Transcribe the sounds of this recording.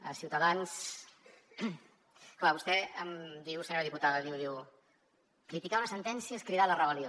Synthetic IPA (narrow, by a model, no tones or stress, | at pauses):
əsiuwt̪əðans | klaβust̪ɛəmd̪iwsəɲoɾəðiput̪aðəðiwðiw | kɾit̪ikaunəsənt̪ɛnsiəskɾiðalərəβəlio